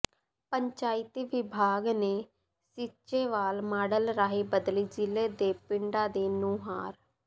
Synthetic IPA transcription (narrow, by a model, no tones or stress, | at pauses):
pəɲt͡ʃaːɪt̪iʋɪbʱaːɡneː | sɪt͡ʃeːʋaːlmaːɖəlɾaːɦiːbəd̪liːd͡ʒɪleːd̪eːpɪɳɖaːd̪eːnũːɦaːɾ